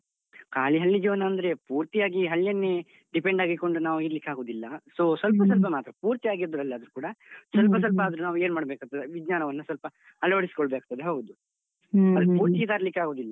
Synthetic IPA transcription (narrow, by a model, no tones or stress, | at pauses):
kaːliɦɐlːid͡ʒiʋɐnɐːnd̪ɐɾe̞puːɾt̪ijaːɡiɦɐlːjɐnːe | ɖipe̞ɳɖaːɡiko̞ɳɖunaːʋuiɾlikːaːɡo̞ːd̪ilːɐsoːsʋɐlpɐs̬ɐlp̬ɐmaːt̪ɾɐpuːɾt̪ijaːɡiɾod̪ɐɾɐlːiɐd̪ɐɾukuːɽɐsɐlpɐs̬ɐlpɐːd̪ɐɾunaːʋueːnmaːɽɐbeːkat̪ːɐd̪eʋid͡ʒɲaːnɐʋɐnːɐsʋɐlpɐ | ɐlɐʋɐɽisi̥kɔɭbekːt̪ɐd̪eɦoːɡud̪u | ɐd̪puːɾt̪iid̪aːɾɐlikːaːɡo̞ːd̪ilːɐ